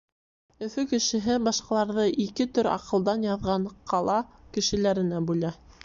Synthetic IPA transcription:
ɵ̆fɵkɘ̆ʃɘ̆ɦɘbɑʃqɑlˠɑɾðɤʔikɘt̪ɵɾɑ̰qɤ̆lˠd̪ɑnjɑðʁɑɴqʰɑlˠɑkɘ̆ʃɘ̆læɾɘ̆næbʉlæ

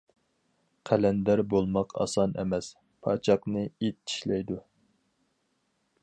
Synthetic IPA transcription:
qʰælɛnd̪æɾbolˠmɑqʰɑ̰sɑnɛ̰mɛs | pʰɑt͡ʃʰɑqnɨet̪̚ːi̥ʃlɛjd̪u

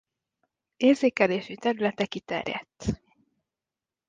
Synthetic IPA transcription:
eːrzeːkɛleːʃyt̪ɛɾylɛt̪ɛkit̪ɛ̰rjɛ̰t̪ː

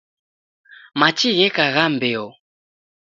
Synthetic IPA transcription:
mat͡ʃiɣɛkaɣambɛɔ

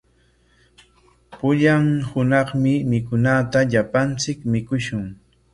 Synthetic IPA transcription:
pʊʎaŋhʊnɑχmɪmɪkʊnat̪aʎapant͡sɪkmɪkʊʃʊŋ

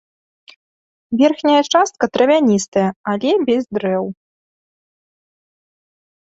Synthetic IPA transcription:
vʲɛrxnʲɐjɐt͡ʂast̪̚kɐt̪ɾɐvʲanʲist̪ɐjɐalʲɛbʲɛzd̪ɾɛw

